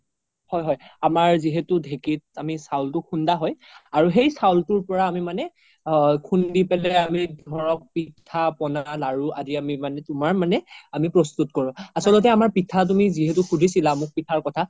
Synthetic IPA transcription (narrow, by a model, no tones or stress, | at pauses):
hɔjɦɔjamaɹziɦetʊdʱekit̚amisawltʊkʰundaɦɔj | aɹuɦejsawltʊɹpɔɹaːmimanɛ | kʰundipɛlɛamidʱɔɹɔk̚pitʰapɔnaalaɹuʔadiamimanɛtʊmaɹmanɛamipɹɔstutkɔɹɔ̃asɔlɔtɛamaɹpitʰat̬umiziɦetukʰudʱisilamʊk̚pitʰaɹkɔtʰa